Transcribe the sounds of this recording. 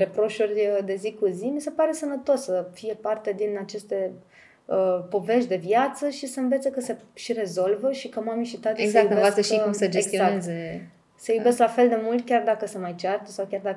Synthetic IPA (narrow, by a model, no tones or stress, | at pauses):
ɾe̞pɾo̞ʃurʲd̪e̞zikuzimise̞paɾe̞sənət̪o̞sːəfije̞part̪e̞d̪inat͡ʃe̞st̪e̞ | əpo̞ve̞ʃ̬t̪d̪e̞vjat̪səʃisəɨnve̞t̪sekəse̞ʃiɾe̞zo̞lvəʃikəmamiʃit̪at̪eszajubeasʃisəd͡ʒeesɡt̪ioakeze | səjube̞sklafe̞ld̪e̞mult̪kʲard̪akəsemajt͡ʃart̪əsawkʲard̪a